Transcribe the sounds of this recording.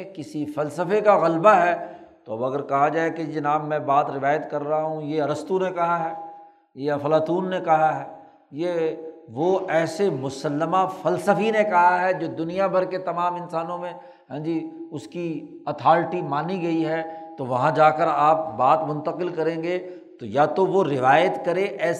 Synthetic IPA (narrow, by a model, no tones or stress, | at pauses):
kɪsifɐlsəfekaɣɐlbaɦɛːt̪oɐbɐɡəɾkɐɦad͡ʒaːeked͡ʒɪnaːbmɛ̃baːt̪ɾɪʋaːjət̪kɐɾːaɦaɦũjeɐɾəst̪unekɐɦaɦɛː | jeɐfɐlaːt̪uːnːekɐɦaɦɛː | jeʋoɛːsemʊsəlːəmafɐlsəfinekɐɦaɦɛd͡ʒoːd̪ʊnijabʱɐɾket̪ɐmaːmɪ̃nsaːnõmẽ | ɦɛ̃ːd͡ʒiʊski | ɐt̪ʰaːlʈimaːniɡɐiɦɛt̪oʋɐɦãd͡ʒaːkəɾaːp̚baːt̪mʊ̃nt̪əqɪlkɐɾẽːŋɡe | t̪ojat̪oʋoɾɪʋaːjət̪kɐɾeʔɛː